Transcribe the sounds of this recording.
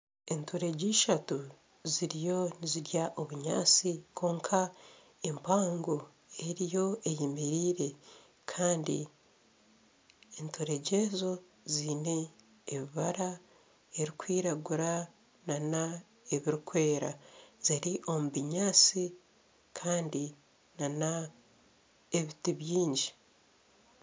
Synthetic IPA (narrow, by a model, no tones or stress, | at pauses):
entʰoɾe̞ɟiːʃatu | ziɾijo̞niziɾjaʔoβuɲa̰ːt͡sikʰo̞ːŋkʰa | empaːŋɡo̞ | e̞ɾijo̞ejimiɾiːɾe̞ | kʰaːndḭ | entʰoɾe̞ɟe̞zo̞ | ziːne̞ː | βiβaɾa | eɾikwiːɾaɡuɾa | nana | eβiɾikwe̞ːɾaz̥iɾiʔo̞muβiɲaːt͡si | kʰaːndi | nana | eβitiβjiːɲɟi